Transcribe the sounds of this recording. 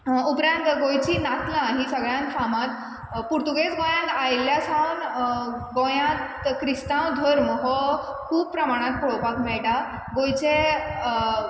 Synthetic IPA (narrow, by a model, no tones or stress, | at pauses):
upɾãnt̪ɡojt͡ɕiːnat̪lãɦĩsəɡɭjãnt̪kʰamãt̪ | puɾt̪uɡet͡sɡõjãnt̪ajljasãwnɡõjãt̪kɾist̪ãwd̪ʱəɾmɦɔkʰuːb̚pɾəmaɽ̃ãt̪̚pɔɭopakmɛɭʈa | ɡojt͡ɕe